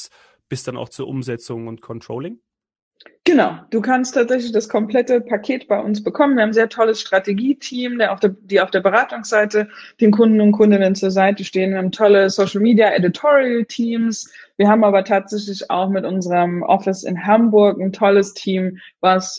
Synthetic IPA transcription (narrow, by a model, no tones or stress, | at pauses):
s | b̥ɪsd̥ana̰ʊxt͡suːɐʔʊmzɛt͡sʊŋʊntkʰɔntʁ̥oːlɪŋ | ɡ̥ənaʊd̥uːkʰanstʰaːtz̥ɛç̬lɪçd̥askʰɔmplɛtəpʰakʰeːtb̥aɪʔʊnsb̥əkʰɔmənviɐhaːbm̩zeːɐtʰɔləsʃtʁ̥ateɡiːtʰiːmdeaʊfd̥d̥iːaʊfd̥eːɐbəʁaːtʊŋsz̥aɪtəd̥eːnkʰʊndn̩ʊnt̚kʰʊndən̩dɛnt͡suːɐzaɪtəʃteːənviɐhaːm̩tʰɔləsoʊʃl̩miːdijaʔɛditʰɔʁiəltʰiːmsviːɐhaːbmʔaːbɐtʰaːtz̥ɛç̬lɪça̰ʊxmɪtʔʊnzəʁəmʔɔ̰fɪsɪ̰nɦambʊɐkn̩tʰɔləstʰiːmvas